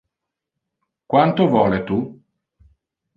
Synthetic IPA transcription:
kwant̪ovɔːlet̪u

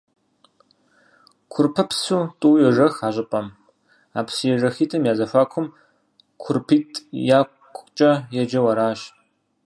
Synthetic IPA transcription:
kʷʰʊrpʰɨpʰsuːtʼuːjɛʒɐxaːʑʼɪpʼɐm | aːpsjɛʐɐxiːtʰɐmjaːzɐfʷaːkʷʰʊm | kʷʰʊrpʰiːtʰʼjaːkʷʼt͡ʃʼɐjɛd͡ʒɐwɐɾaːʃ

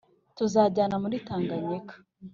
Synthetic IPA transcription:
tuzaːɟaːnamuɾitaːŋɡaɲekḁ

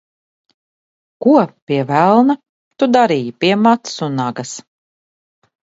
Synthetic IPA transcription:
kuɔpiɛvælˠna | t̪ud̪aɾiːjipiɛmat̪sunːaɡɐs

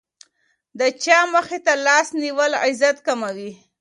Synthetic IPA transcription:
d̪ət͡ʃɑməxet̪alɑsniwəlɪ̰zat̪kamawi

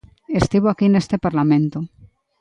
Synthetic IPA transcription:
est̪iβ̞oakinest̪epaɾlamẽnt̪o

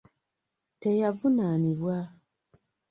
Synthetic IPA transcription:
tejavunaniβwa

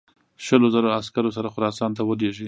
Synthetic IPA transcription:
ʃəlozaɾoaskaɾos̬aɾaxʊɾɑsɑnt̪awəleʒi

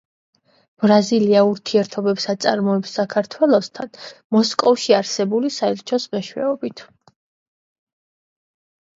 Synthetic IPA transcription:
b̥ɾaziliauɾt̪ʰiɛɾt̪ʰɔbɛpsat̪sʼa̰ɾmɔɛpsːakʰaɾt̪ʰwɛlˠɔst̪ʰanmɔskʼɔfʃiaɾsɛbulisaɛɾt͡ʃʰɔsmɛʃwɛ̰ɔbit̪ʰ

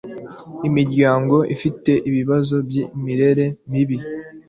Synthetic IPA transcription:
imiɾɟaːŋɡo̞ʔḭfite̞ʔiβiβazo̞bjimiɾe̞ɾe̞miβi

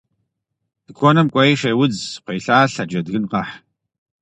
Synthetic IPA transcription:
d̥ɨkʷʰɔnɐmkʷʼɐiʂeːwʊd͡zqʷejɬaːɬɐd͡ʒɐdɣɨnqɐħ

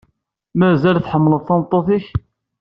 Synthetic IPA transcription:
mæzælθħəmːləðˤθɑnt̪ˤːoθiç

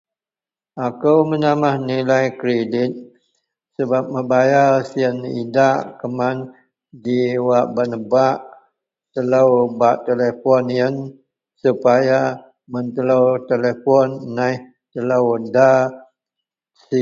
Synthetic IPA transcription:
akəwmənamahnilajkɾedɪt̪̚ | səbap̚məbajarsiənḭdaʔkəman | diwaʔbanəbaʔ | t̪ələwbaʔt̪elefɔnjən | supaja | mənt̪ələwt̪elefɔnːajh | t̪ələwda | si

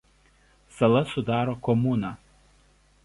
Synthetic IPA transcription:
sɐlˠɐsʊd̪ɑːɾoːkɔmuːnɑː

